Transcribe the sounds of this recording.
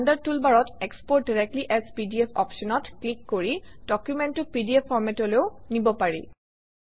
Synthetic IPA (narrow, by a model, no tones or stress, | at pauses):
andaɹtulbaɹɔtekspɔɹt̚diɹɛk̚tliʔɛzpidiɛpʰɔ̰pʃɔnɔtklikːoɹid̥ɔkjumɛntʊpidiepʰːɔɹmɛtɔleʊnibɔpaɹḭ